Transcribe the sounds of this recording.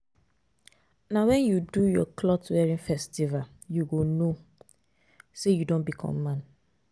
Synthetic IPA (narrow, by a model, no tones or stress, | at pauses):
nawɛ̃njudujɔkʰlɔtwɛɹĩnfɛstival | juɡono | sejudõnbikʰɔ̰̃mːãn